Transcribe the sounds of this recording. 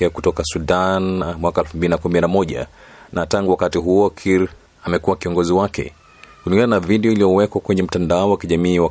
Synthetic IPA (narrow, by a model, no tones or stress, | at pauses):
ɛakutɔkasudanmwakaɛlfumbilinakumininamɔʄa̰nataŋɡuwakatiɦuɔkʰiɾ | amɛkuwakiɔŋɡɔziwakɛ̰ | kuliŋɡananaviɗɛɔiliɔwɛkwakwɛɲɛm̩tandaɔwakiʄamiːwa